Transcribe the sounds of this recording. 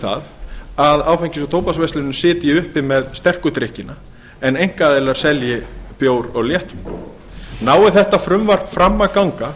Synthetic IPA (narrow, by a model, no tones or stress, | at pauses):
θa̰ðaðaːwfɛjɲcɪsat̪ʰoːwpasvest̪ɪnʏsɪːt̪jɪʏhpɪmɛðst̪ɛr̥kʏt̪ɾɪhcɪna | ɛnejŋ̥kaðeːlaɾ̥sɛljɪpjoːwɾɔɣljɛht̪v | naːwɪθɛht̪afɾʏmvar̥pfɾamːakawŋka